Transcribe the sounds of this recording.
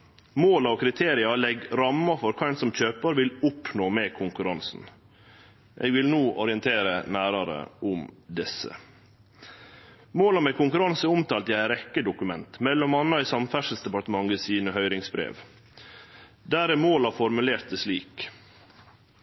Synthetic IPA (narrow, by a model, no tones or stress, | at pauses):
moːlɑɔkʰɾɪt̪ʰeːɾɪɑlɛɡɾɑmːɑfɔɾkʰɑɪnsɔmc͡çøːpəɾʋɪlʊpnoːmɛːkʰʊŋkʉɾɑnsn̩ | ʔḛːɡʋɪlnoːʔɔɾɪənt̪ʰeːɾənæːɾɑɾə̰ʔʊmd̪ɛsːə̰ | moːlɑmɛkʊŋkʉɾɑnsəʊmt̪ʰɑːlt̪ɪæɾɛkːəd̪ʊkʉmɛnt̪mɛlːɔmɑnːɑisɑmfæʂlsd̪ɛpɑʈt̪əmɑŋəsiːnəɦœʏɾɪŋsbɾḛːʋ | d̪æːɾæmoːlɑfɔɾmʉleːɾt̪̚əsliːk